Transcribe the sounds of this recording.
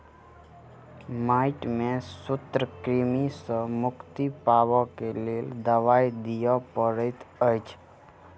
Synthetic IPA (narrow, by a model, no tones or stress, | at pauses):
maːɪʈmẽsʊt̪ɾəkɾimisə̃mʊkt̪ipaːwakeleːld̪əʋaːjd̪ijapəɾət̪əjt͡ʃʰ